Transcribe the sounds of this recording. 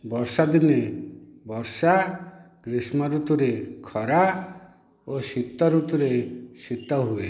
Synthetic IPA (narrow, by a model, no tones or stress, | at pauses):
bɔɾsad̪inebɔɾsa | ɡ̥ɾismɔɾut̪uɾekʰɔɾa | osit̪ːɔɾut̪uɾesit̪ːɔɦue